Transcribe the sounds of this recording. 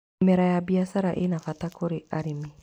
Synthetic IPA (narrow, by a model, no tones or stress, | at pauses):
mɛɾajabiasaɾaʔḛnafatakoɾeaɾime